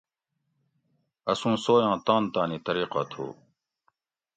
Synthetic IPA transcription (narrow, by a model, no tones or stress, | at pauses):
ɐsũːsoːjãːt̪ãːnt̪aːniːt̪ɐɾiːqa̰t̪ʰo̰ː